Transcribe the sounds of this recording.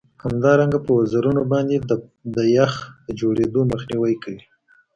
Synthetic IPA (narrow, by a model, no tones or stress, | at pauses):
hamd̪ɑɾaŋɡapəwazaɾunobɑnd̪ed̪əjaxd̪̥əd͡ʒoɽed̪oməxniwajkawi